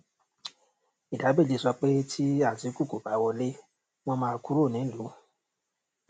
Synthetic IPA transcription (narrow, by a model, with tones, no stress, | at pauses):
i˨da˨˦be˦˨d͡ʒe˨˧˨sɔ˧k͡pe˦tʰi˦a˦˨zi˨˦ku˦˨ko˨ba˨˦wɔ˧le˦ | w̃ɔ̃˦mãː˧ku˦ɾo˦˨nĩ˨˦˨lu˨˦